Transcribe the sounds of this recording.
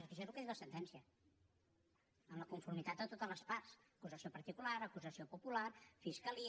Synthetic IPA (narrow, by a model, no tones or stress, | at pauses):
k̪əʒɛzlukəðiwəsənt̪ɛnsiə | əmləkuɱfuɾmit̪at̪̚d̪ət̪ot̪ələspaɾsəkuzəsiopəɾt̪ikulaɾəkuzəsiopupulaɾfiskəli